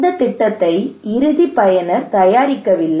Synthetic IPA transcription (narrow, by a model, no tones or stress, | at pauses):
d̪ɐt̪ːɪʈːɐt̪ːɐɪɪɾɯðipɐjɐnɐɾt̪ɐjaːɾɪkːɐʋɪlːɐ